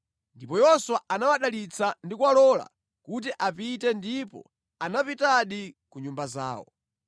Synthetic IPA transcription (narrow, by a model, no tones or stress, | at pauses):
ndipɔjɔswaʔanawaɗalit͡sʰandikuwalɔla̰ | kut̬iʔapitɛndipɔ̰ | anapitaɗikuɲumbaza̰ːwɔ̰